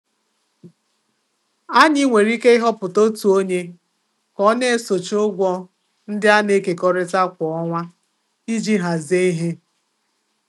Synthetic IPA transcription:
a˦ɲɪ˦ŋʷe˨ɾi˦ke˦ɪ˦ɦɔ˦pʊ˨to˦tu˨o˦ɲe˦ | kɔ˦ne˦e˦so˨t͡ʃʊ˦ɡʷɔ˦ | n̩˦dɪ˦a˦ne˦ke˨kɔ˦ɾɪ˦ta˦kʷɔ˨ɔ˦ŋʷa˦ | i˦d͡ʒi˦ɦa˨ze˦i˦ɦe˦

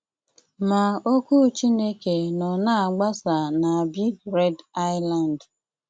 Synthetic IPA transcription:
ma˨o˦ku˦t͡ʃi˦ne˦ke˨nɔ˨na˦a˨ɡ͡ba˦sa˨na˨a˨bi˦ɾɛ˦da˦ɪ˦la˨n˨d

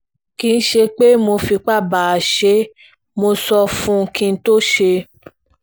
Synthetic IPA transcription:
kĩ˧n̩˦ʃe˧k͡pe˦mo˧fi˧k͡pa˦˨ba˨a˨ʃe˨˦ | mo˧sɔ˧fũ˦˧kĩ˧˦to˦ʃe˧

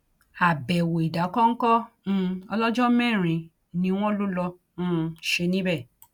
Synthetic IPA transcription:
a˨bɛ˨wo˨i˨da˨˦kɔ˦ŋ̩˦kɔ̃˦ɔ˧lɔ˦d͡ʒɔ˦mɛ̃˦˨ɾ̃ĩ˧˨ | nĩ˧w̃ɔ̃˦lo˦lɔ̃˧˦ | ʃe˧nĩ˦bɛ˦˨

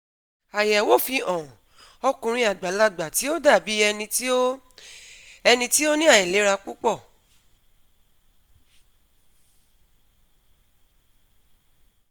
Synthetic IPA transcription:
a˨ja˨wo˦˨fi˧ɔ̃˨ | ɔ˧kũ˧ɾ̃ĩ˧a˨ɡ͡ba˨˦la˦ɡ͡ba˨ti˨˦o˦da˦˨bi˨˦ɛ˧nĩ˧ti˦o˦ | ɛ˧nĩ˧ti˦o˦nĩ˦a˦˨ĩ˨le˨˦ɾa˧k͡pu˦k͡pɔ˦˨

